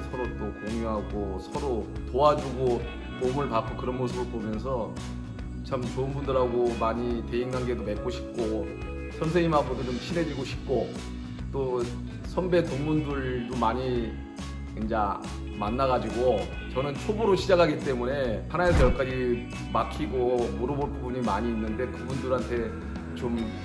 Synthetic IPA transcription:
sʰʌɾot͈okoŋjuɦaɡosʰʌɾotoad͡ʑuɡo | momɯɭpak͈okɯɾʌnmos̬ʰɯbɯɭpomjʌnsʰʌ | t͡ɕʰamt͡ɕoɯnbundɯɾɦaɡomaɲite̞inɡaŋɡe̞dome̞k͈oɕʰi̥p̚k͈o | sʰʌnsʰeŋimɦapʰodod͡ʑomɕʰine̞d͡ʑiɡoɕʰi̥p̚k͈o | t͈o | sʰʌmbe̞toŋmundɯɭdomaɲi | kind͡ʑa | manːaɡad͡ʑiɡo | t͡ɕʌnɯnt͡ɕʰobuɾoɕʰid͡ʑakʰaɡit͈e̞mune̞hanae̞sʰʌjʌk͈ad͡ʑi | makʰiɡomuɾʌboɭpbuɲimaɲiːnːɯnde̞kɯbundɯɾɦantʰe̞ | t͡ɕom

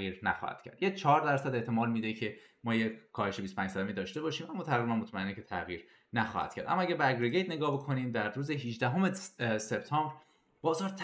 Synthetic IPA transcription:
iːɾnæxɒ̰hæ̰d̪̥̚cʰæ̰ɾd̪̥jet͡ʃʰɒːɾd̪æɾsæd̪e̞ʔt̪ʰe̞mɒːlmiːd̪ecʰe̞mɒːjekʰɒːhe̞ʃe̞bist̪opʰæːɲd͡ʒsæd̪æmiːd̪ɒːʃt̪e̞bɒːʃiːmæmːɒːt̪ʰæɣɾibænmot̪ʰmæenːecʰe̞t̪ʰæɣiːɾ | næxɒ̰hæ̰d̪̥cʰæɾd̪æ̰mːæɡɟæɾbeæɡɾeɟe̞jt̪̚ne̞ɡɒːbe̞kʰoniːmd̪æɾːuːzeɦiʒd̪æɦo̞me̞seb̚t̪ʰɒːmbɾ | b̥ɒːzɒːɾt̪ʰ

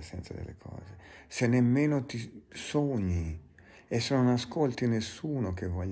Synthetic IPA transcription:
sɛnt̪sad̪ḛlːḛkʰɔ̰ːzesenːemːeːnot̪isoɲːi | esːenonaskolt̪inesːuːnok̟evɔʎː

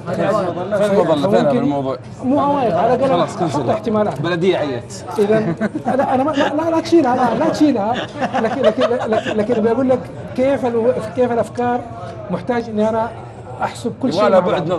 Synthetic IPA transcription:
a | awmʊmkɪmˤuː | muːʔawaːʔɪɡʕalaɡalaɑˤɪħt̪ɪmaːlaːbalad̪ɪjːaʕajːa | ʔɪðanlaʔanamalaʔlalat̪ʃiːlahalalat̪ʃiːlahalaaklalaːkɪnbɪjaɡuːlːakː | eːfalfikeːfalʔafkɑːɾˤ | mʊħt̪aːd͡ʒʔɪnːiʔana | ʔaħsʊb̚kʊlːʃiːad̪

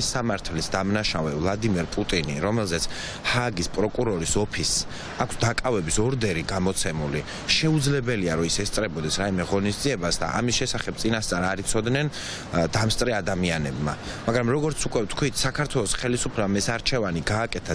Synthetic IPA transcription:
isamaɾt̪ʰlisd̪amnaʃavɛvlˠad̪imɛɾpʼut̪ʼiniɾɔmɛlˠzɛt̪sʰ | haɡispʼɾɔkʼuɾɔɾisɔpʰis | akʷʰsd̪akʼavɛbisɔɾd̪ɛɾiɡamɔt̪sʰɛmuli | ʃɛud̪zlɛbɛliaɾɔisɛst̪sʼɾɛbɔd̪ɛsɾaimɛʁɔnisd̪ziɛbasd̪a̰ʔa̰misʃɛsaχɛb̚t̪sʼinast̪ʼaɾaɾit̪sʰɔd̪nɛn | d̪amst̪ʼɾɛad̪amianɛbma̰ | maɡɾamɾɔɡɔɾt̪sʰukʼwɛt̪ʰkʰwit̪ʰsakʰaɾt̪ʰwɛlˠɔsχɛlisupʰlɛbamɛsaɾt͡ʃʰɛvaniɡaːkʼɛt̪ʰa

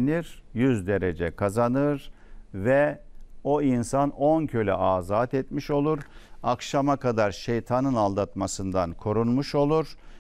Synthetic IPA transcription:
niɾjyzd̪e̞ɾed͡ʒɛkʰazanɯɾ | vɛ | o̞insano̞ncʰølʲɛ̰ʔaːzaːt̪ɛt̪miʃo̞lˠuɾakʃamakad̪aɾʃejt̪ʰanɯnalˠd̪at̪masɯnd̪ankʰo̞ɾunmuʃo̞lˠuɾ̥

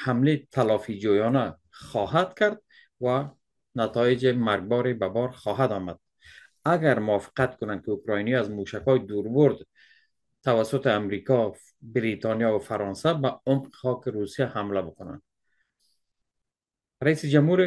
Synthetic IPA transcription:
hamlet̪ʰalɒfid͡ʒojɔna | χɔɦad̪kaɾd̪̚ | wa | nat̪ɔjɪd͡ʒɪmaɾɡ̚bɔɾebabɒɾxɔɦad̪ɔmad̪̥̚ | aɡaɾmʊɒfɪ̥qat̪kʊnand̪kɪukɾɔjnijɔazmuʃakɔjid̪uɾbʊɾd̪ | t̪awasʊt̪ɪamɾikɔ | bɪɾit̪ɑnjɒwafaɾɔnsabaʊmqχɒqɪɾusijahamlabʊkʊna̰nd̪ | ɾaisɪd͡ʒamhuɾ

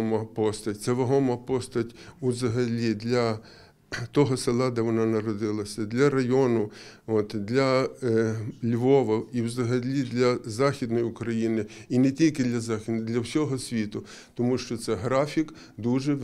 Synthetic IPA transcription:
mɐpɔst̪ɐtʲt̪sɛʋɐɦɔmɐpɔst̪ɐtʲuzɐɦɐlʲid̪lʲɐ | t̪ɔɦɔsɪlˠɑd̪ɛʋɔnɑnɐɾɔd̪ɪlˠɐsʲɐd̪lʲɐɾɐjɔnʊot̪d̪lʲɐ | lʲʋɔʋɐiwzɐɦɐlʲid̪lʲɐzɑxʲid̪nɔjiʊkɾɐjinɪinɛtʲilʲkɪd̪lʲɐzɑxʲd̪lʲɐwsʲɔɦɔsʲʋʲit̪ʊ | t̪ɔmuʃt͡ʃɔt̪sɛɦɾɑfʲik | d̪uʒɛ

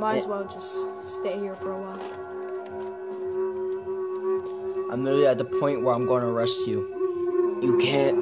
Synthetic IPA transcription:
maɪzwɛlˠd͡ʒʌst | steɪhiɹfə˞əwɔɪlˠ | ʔãɪ̃mɹɪliət̪̚ðəpʰɔ̃ɪ̃nʔwə˞ãɪ̃mɡoɪ̃nəɹɛstʰju | jəkʰɛ

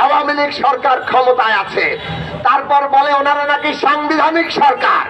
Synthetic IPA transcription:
awamilikʃɔɾkaɾkʰɔmot̪aeat͡ɕʰe | t̪aɾpɔɾboleonaɾanakiʃaŋbid̪ʱanikʃɔɾka̰ɾ

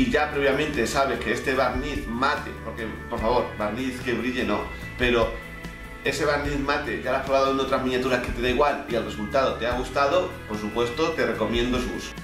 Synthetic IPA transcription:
iʝapɾe̞βjamẽ̞nt̪e̞saβ̞e̞hke̞est̪e̞βaɾniθmat̪e̞̰po̞ɾke̞po̞ɾfaβ̞o̞ɾβaɾniθke̞βɾiʎe̞no̞̰ | pe̞ɾo̞ | e̞se̞β̞aɾniθmat̪e̞ʝalapɾoɣaðoeno̞t̪ɾazmĩnjat̪uɾaske̞t̪e̞ðeiɣwalielre̞sult̪aðo̞t̪e̞aɣust̪að̞o̞po̞ɾsupwe̞st̪o̞t̪e̞re̞ko̞mjend̪osṵs

